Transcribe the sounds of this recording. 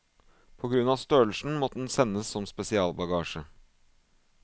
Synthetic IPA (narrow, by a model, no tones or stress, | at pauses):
pʰɔɡɾʉnɑːʋst̪øːɭʂn̩mɔt̪ːəd̪n̩sɛnːəsːɔmspɛsɪɑːlbɑɡɑːʃə